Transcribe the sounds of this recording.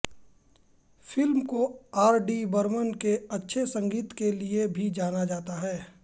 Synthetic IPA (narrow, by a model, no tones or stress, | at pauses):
fɪlmkoaːɾɖibəɾmənkeɐtːʃʰesɐ̃ŋɡiːt̪keliebʱid͡ʒaːnad͡ʒaːt̪aɦɛː